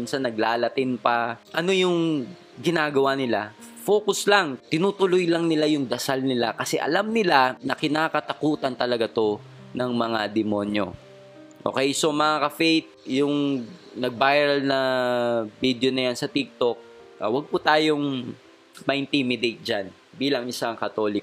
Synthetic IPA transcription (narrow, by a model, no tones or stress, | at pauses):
nsɐnɐɡ̚laːlɐt̪ɪnpɐʔɐno̞jʊŋ | ɡɪnaːɡɐwanɪlafo̞ːkʊslaŋt̪ɪnuːt̪ʊlojlɐŋnɪlajʊŋd̪ɐsalnɪlakɐsɛ̰ʔɐ̰lamnɪlanɐkɪnaːkɐt̪ɐkuːt̪ɐnt̪ɐlɐɡat̪o̞ | nɐŋmɐŋad̪ɛmonjo̞̰ | ʔo̰ːkɛjso̞mɐŋakɐfɛjt̪̚jʊŋ | nɐɡ̚bajɾɐlnɐ | bid̪jonɐjansɐt̪ɪk̚t̪o̞k̚ | ʔɐwɐɡ̚pʊt̪aːjoŋ | mɐjnt̪imɪd̪ejt̪̚d͡ʒan | biːlɐŋɪsaŋkɐt̪o̞ːlɪk